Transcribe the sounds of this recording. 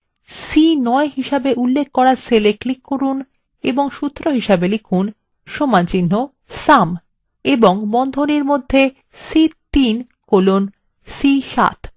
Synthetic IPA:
sinɔeɦiʃabeʔulːekʰːɔɾaseleklikːoɾun | eboŋʃut̪ːɾoɦiʃabelikʰun | ʃomant͡ɕinːo | sam | eboŋbɔnd̪ʱoniɾmod̪ʱːe | sit̪in | kolon | siʃa̰t̪

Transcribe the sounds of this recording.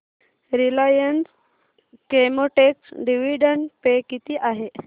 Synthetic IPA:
ɾilajəns | kemoʈeksɖiʋiɖəɳpekit̪iːʔaɦe

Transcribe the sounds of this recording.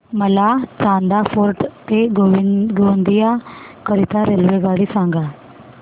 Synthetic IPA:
məlaːt͡ʃãːnd̪aːpʰoːɾʈt̪eɡoɡoːnd̪ɪjaːkəɾɪt̪aːɾeːlʋeːɡaːɽiːsãːŋɡaː

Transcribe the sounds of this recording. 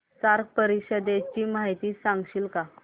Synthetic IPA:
saɾk̚pəɾikɕəd̪et͡ɕiːmaɦit̪iːsãŋɡɕiːlka

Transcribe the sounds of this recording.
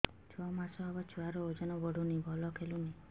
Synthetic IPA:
t͡ʃʰɔmasɔɦɔbɔt͡ʃʰuaɾɔod͡ʒɔnɔbɔɽunibʱɔlɔkʰeluni

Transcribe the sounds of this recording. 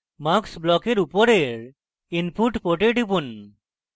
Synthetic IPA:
maksblɔkeɾupɔɾeɾ | inpʰuʈpoʈeʈipun

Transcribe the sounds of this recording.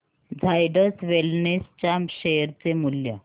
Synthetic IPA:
d͡zʱajɖəsʋelnest͡ɕamɕeɾt͡semulja

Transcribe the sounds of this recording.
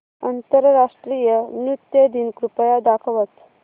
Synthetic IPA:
ənt̪əɾɾaʂʈɾijənjut̪jəd̪inkɾupəjad̪akʰəʋət̪

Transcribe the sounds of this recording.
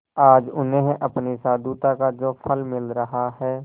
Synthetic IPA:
aːd͡ʒʊnẽɦʔəpnisaːd̪uːt̪akad͡ʒoːpʰəlmɪlɾəɦaɦɛː

